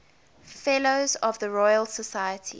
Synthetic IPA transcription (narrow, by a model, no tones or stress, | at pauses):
fɛloʊzɔvðəɹɔɪəlˠsəsaɪətʰḭ